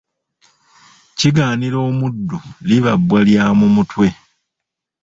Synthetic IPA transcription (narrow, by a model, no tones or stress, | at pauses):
ciɡaːniɾo̞ːmudːuliβabwaljaːmumutwe̞